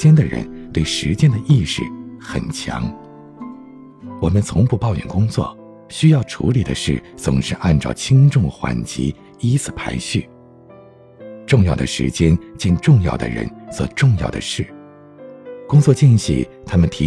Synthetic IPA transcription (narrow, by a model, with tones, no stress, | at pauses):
t͡ɕjɛ˥nd̪ə˨ɻə̰˧˥nt̪we˥˩ɪʂɻ̩˧˥t͡ɕjɛ˥nd̪ə˨ʔi˥˧ʂɻ̩˥˩xə˨˩nt͡ɕʰjɑ̰˧˥ŋ | wɔ˨˩mə˦nt͡sʰʊ˧˥ŋpu˥˧pɑ˥˧ʊɥɛ̰˨˩nkʊ˥ŋt͡swɔ̰˥˩ | ɕy˥jɑ˥˩ʊʈ͡ʂʰṵ˧˥li˨˩d̪ə̰˦ʂɻ̩˥˩t͡sʊ˨˩ŋʂɻ̩˥˧ʔa˥˧nʈ͡ʂɑ̰˥˩ʊt͡ɕʰi˥ŋʈ͡ʂʊ˥˩ŋxwa̰˧˥nt͡ɕḭ˧˥ | i˥t͡sʰɹ̩˨˩pʰa˧˥ɪɕy˥˩ | ʈ͡ʂʊ˥˧ŋjɑ˥˩ʊd̪ə̰˩ʂɻ̩̰˧˥t͡ɕjɛ˥nt͡ɕɛ˥˧nʈ͡ʂʊ˥˧ŋjɑ̰˥˩ʊd̪ə̰˩ɻə̰˧˥nswɔ̰˨˩ʈ͡ʂʊ˥˧ŋjɑ˥˩ʊd̪ə̰˩ʂɻ̩˥˩ | kʊ˥ŋt͡swɔ˥˧t͡ɕi˥˧nɕḭ˥˩t̪ʰa˥mə˨nt̪ʰi˧˥